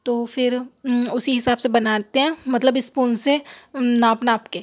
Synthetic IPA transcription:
t̪oːfɪɾʊsiɦɪsaːbsebɐnaːt̪eɦɛ̃mɐt̪ləbɪspuːnsenaːpnaːpkeː

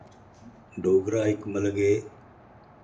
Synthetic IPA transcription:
ɖʱoːɡɾaːɦɪkmələɡeː

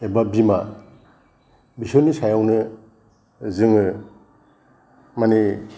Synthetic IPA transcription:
ebabima | bisɔnisajawnɯ | zɯŋɯ | mani

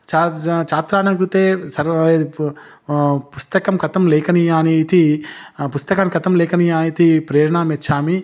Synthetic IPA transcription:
t͡ʃat͡ʃaːt̪ɾaːnɐmkɾut̪eːsɐɾ | pust̪ɐkɐmkɐt̪ɐmlɛːkɐnijaːniːt̪ipust̪ɐkɐmkɐt̪ɐmlɛːkɐnijaːniːt̪ipɾeːɾɳaːmetːt͡ʃʰaːmi

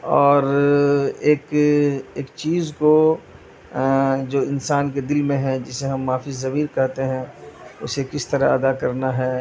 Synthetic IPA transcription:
ɔːɾ | eːkeːkt͡ʃiːzko | d͡ʒoːɪnsaːnked̪ɪlmẽɦɛ̃d͡ʒɪseɦɐmːaːfɪzːɐmiːɾkɛɦt̪eɦɛ̃ʊsekɪst̪ɐɾaɐd̪akɐɾnaɦɛː

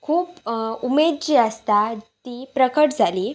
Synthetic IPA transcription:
kʰuːpumed̪̚d͡ʑiəst̪at̪ipɾəkəʈd͡zʱaliː

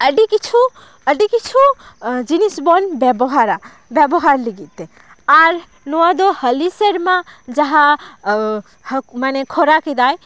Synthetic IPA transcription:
əɖikit͡ʃʰu | əɖikit͡ʃʰud͡ʒinisbɔnbebɔɦaɾa | bebɔɦaɾliɡit̪e | aɾ | nuad̪ohəliseɾmad͡ʒaɦã | hmanekʰoɾakid̪aj

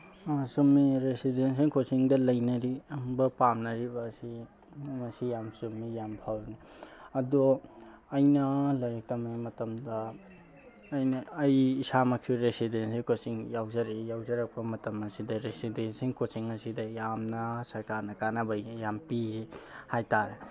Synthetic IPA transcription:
asumːiɾesidensiŋkʰosiŋdɐlɐjnɐɾibɐpamnɐɾibɐsi | mɐsijamsumːijampʰawni | ɐdo | ɐjnɐlɐjek̚tɐmajmɐtɐmdɐ | jnɐːjisamɐkʰiɾesidensikosiŋjawzɐɾijawzɐɾɐk̚pɐmɐtɐmɐsidɐɾesidensiŋkʰosiŋɐsidɐjamnɐsɐɾkaɾnɐkanɐbɐjjampiɾihajtaɾe

